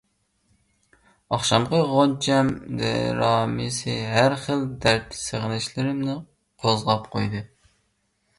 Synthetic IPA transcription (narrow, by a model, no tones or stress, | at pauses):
ɑχʃɑmqəʁont͡ʃʰɛmd̪ɛ̰ɾɑːmisɨɦæɾχəld̪æɾt̪ʰseʁnɪʃlɪɾɪmnɪ | qʰozʁɑpqʰojd̪ɨ